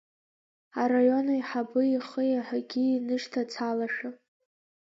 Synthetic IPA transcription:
arajo̞najħabɨiχəjaħʷaɡʲiːnɨʂtʰat͡sʰalaʂa

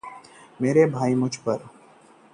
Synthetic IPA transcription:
meːɾebʱaːimʊd͡ʒʱpɐɾ

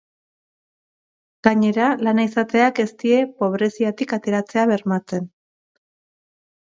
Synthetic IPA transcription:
ɡ̥aɲe̞ɾalanaisat̪e̞ake̞st̪ie̞po̞βɾe̞siat̪ikat̪e̞ɾat͡se̞aβe̞ɾmat͡se̞n

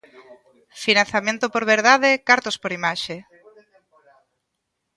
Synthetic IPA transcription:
finãnθamẽnt̪opoɾβeɾðaðekaɾt̪ospoɾimaʃe

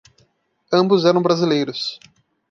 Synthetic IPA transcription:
ɐ̃mbʊzɛɾɐ̃w̃bɾazilejɾʊs

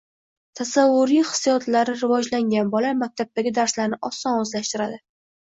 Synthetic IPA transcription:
t̪ʰasavːʊɾijhɨ̥sjɒt̪laɾɪɾɪvɒd͡ʒlaŋɡʲanbɒlaɾmak̚ʲt̪ʰab̚t̪aɡʲɪd̪aɾslaɾnɪʔɒsːɒnɵzlaʃt̪ɪɾad̪ɪ

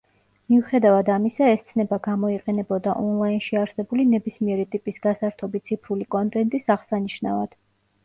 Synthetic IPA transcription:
miuχɛd̪avad̪amisaɛst̪sʰnɛbaɡamɔiqʼɛnɛbɔd̪aʔɔnlˠainʃiaɾsɛbulinɛbismiɛɾit̪ʼipʼisɡasaɾt̪ʰɔbit̪sʰipʰɾulikʼɔnt̪ʼɛnt̪ʼisaʁsaniʃna̰vad̪̥

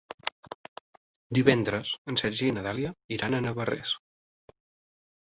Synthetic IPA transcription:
d̪iβɛnd̪ɾəz̥ənsɛʒiinəðalˠiəiɾanənəβərḛs

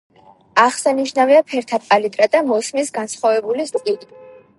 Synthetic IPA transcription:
aχsaniʃnaviapʰɛɾt̪ʰapʼalit̪ʼɾad̪amɔsmisɡansχwavɛbulist̪ʼqʼid̪ʼi

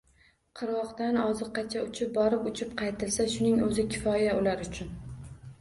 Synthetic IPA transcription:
qʰɨɾɒqt̪anɒzɨqːɑt͡ʃʰaʊt͡ʃʰɪp̚bɒɾɪpʊt͡ʃʰɪpqʰɑjt̪ʰɪlsaʃʊnɪŋɵzɪkʲʰɪ̥fɒjaʊlaɾʊt͡ʃʰʊn

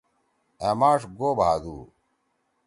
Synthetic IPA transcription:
eːmaːʂɡoːbʱaːd̪uː

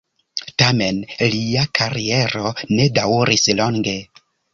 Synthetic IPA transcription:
tame̞nliakʰaɾie̞ɾo̞ne̞dawɾislo̞ŋɡe̞

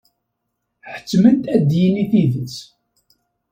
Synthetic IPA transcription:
ħə̥t͡sːməd̪æd̪jiniθiðət͡s

